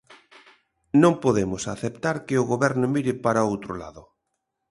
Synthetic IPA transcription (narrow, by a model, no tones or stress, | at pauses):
nõmpoðemʊsaθept̪aɾkɪʊɣoβɛɾnʊmiɾɪpaɾaowt̪ɾola̰ðʊ